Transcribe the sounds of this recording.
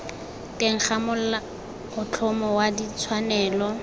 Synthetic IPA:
teŋ̩χamʊl̩la | ʊt͡ɬʰɔmɔwadit͡sʰwanɛːlɔ

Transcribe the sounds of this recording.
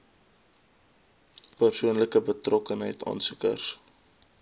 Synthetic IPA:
pərsuənləkəbətrɔkənɦəjtɑ̰ːnsukə̰rs

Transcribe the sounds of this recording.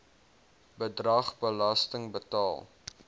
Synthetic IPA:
bədrɐχbəlɐstəŋbətɑːlˠ

